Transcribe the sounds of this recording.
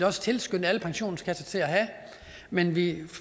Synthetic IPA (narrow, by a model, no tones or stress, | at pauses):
ɒ̽sə̥t͡sʰe̝lsɡ̥øn̰̩æləpʰɑ̈ŋɕo̝̰ːn̩skʰæsɐt͡sʰe̝læɦæ | menʋi